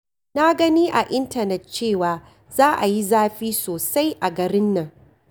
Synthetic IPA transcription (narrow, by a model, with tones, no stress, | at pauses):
na˦ɡɐ˦niː˦ʔa˨ʔɪ˦ntɐ˨nɛ˨t̚t͡ʃeː˦˨waː˨ | zaː˦ʔa˨ji˦zaː˦ɸiː˦soː˨sa˦jʔa˨ɡɐ˨ɾɪ˦nːɐ˨ŋ